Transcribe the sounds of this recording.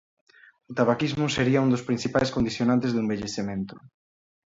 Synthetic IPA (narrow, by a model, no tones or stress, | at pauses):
ot̪aβakizmʊseɾiɐund̪ospɾin̟θipajskond̪iθjonãnt̪ezðuembeʎeθemẽnt̪ʊ̥